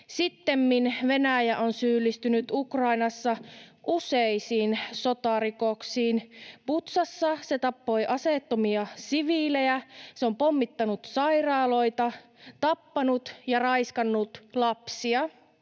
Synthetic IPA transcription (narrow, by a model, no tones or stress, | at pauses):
sit̪ːemminʋenæjæʔonsyːlːist̪ynyt̪ukrɑinɑsːɑʔuseisiːnsot̪ɑˑrikoksiːnput̪sɑsːɑset̪ɑpːo̞jʔɑseˑt̪ːomiɑsiʋilejæseompomːit̪ːɑnut̪sɑirɑːlo̞jt̪ɑt̪ɑpːɑnut̪jɑrɑiskɑnːut̪lɑpsiɑ